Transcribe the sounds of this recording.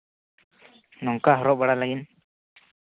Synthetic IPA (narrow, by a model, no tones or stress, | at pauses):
nɔŋkaɦɔɾɔʔbəɽalaɡin